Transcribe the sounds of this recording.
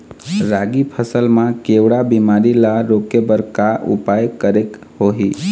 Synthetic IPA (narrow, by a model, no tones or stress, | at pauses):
ɾaɡipʰəsəlmãkewɽabimaɾilaɾokebəɾkaʔṵpajkəɾek | hoɦi